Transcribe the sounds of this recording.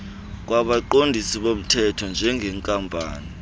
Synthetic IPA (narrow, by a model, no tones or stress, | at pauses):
k̬waɓaǃondʱisiɓom̩tʰɛtʰɔnd͡ʒʱɛŋɡʱɛŋkʼampʼa̰ːni